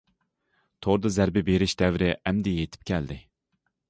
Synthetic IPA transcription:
t̪ʰoɾd̪ɨzæɾbɪbeɾɪʃd̪ɛvɾɪʔɛmd̪ɪjet̪ʰɪ̥p̚kʲʰɛld̪ɪ

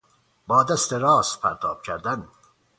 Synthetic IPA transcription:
bɒːd̪æst̪eɾɒːst̪̚pʰæɾt̪ʰɒːb̥cʰæɾd̪æn

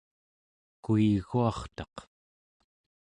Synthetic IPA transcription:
kuiɣuɑχt̪ɑq̪

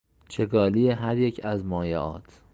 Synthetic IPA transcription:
t͡ʃʰeɡɒːlijeɦæɾjecʰæzmɒːjeʔɒ̰ːt̪ʰ

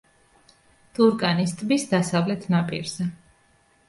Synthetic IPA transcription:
t̪ʰʼuɾkʼanist̪ʼbisd̪asavlɛt̪ʰnapʼḭɾz̥ɛ

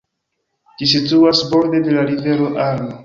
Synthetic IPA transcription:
d͡ʒisituasbo̞ɾde̞de̞laɾive̞ɾo̞ʔaɾmo

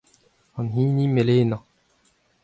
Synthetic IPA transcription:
hɑnɦĩːnimelena

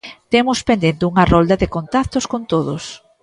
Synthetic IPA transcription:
t̪emʊspend̪ent̪euŋɐrɔld̪ɐðɪkont̪akt̪oskont̪oðʊs

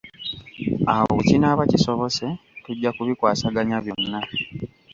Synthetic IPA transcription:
awo̰βucinaːβaciso̞βo̞se̞tuɟːakuβikwaːsaɡaɲaβjo̞nːa

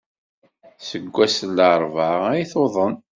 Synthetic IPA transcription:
səɡʷːæsəlːəɾˤvɑʁæjiθoðˤən

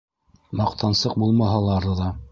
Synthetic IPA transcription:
mɑqt̪ʰɑnsɤq̚bulˠmɑɦɑlˠɑɾɤðɑ

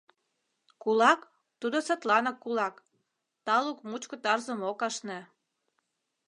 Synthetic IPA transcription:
kulɑk | t̪ud̪osət̪lɑnɑkːulɑk | t̪ɑlukmut͡ɕkot̪ɑrzəmokɑʃnĕ

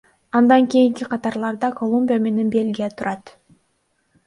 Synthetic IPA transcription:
ɑnd̪ɑŋkʲijiŋkʲiqʰɑt̪ɑɾlˠɑɾd̪ɑko̞lˠumʲbʲijame̞ne̞nbe̞lɡʲijet̪ʰuɾɑt̪

